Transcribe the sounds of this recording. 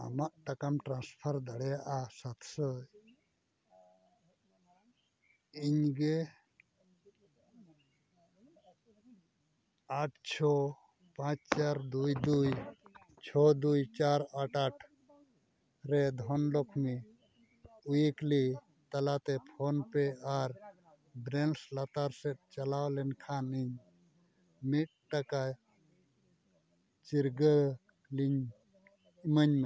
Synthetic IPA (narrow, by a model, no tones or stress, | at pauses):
a̰maʔʈakamʈɾãnspʰaɾd̪aɽɛjaʔasat̪ʰsəj | iɲɡe | aʈʰt͡ʃʰɔ | pãt͡ʃt͡ʃaɾd̪ujd̪uj | t͡ʃʰɔd̪ujt͡ʃaɾaʈaʈʰ | ɾɛd̪ʱɔnlɔkʰmi | ujikli | t̪alat̪ɛpʰɔnpɛaɾ | bɾɛnslat̪aɾsɛt̪̚t͡ʃalawlɛnkʰaniɲ | mit̪̚ʈaka | t͡ʃiɾɡə | liɲ | məɲmɛ